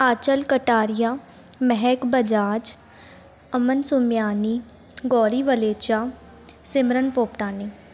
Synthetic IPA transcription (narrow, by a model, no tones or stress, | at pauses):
aːt͡ʃəlkəʈaːɾɪjaː | mɛɦɛkbəd͡ʒaːd͡ʒ | əmənsʊmjaːniː | ɡɔːɾiːʋəleːt͡ʃaː | sɪmɾənpoːpʈaːniː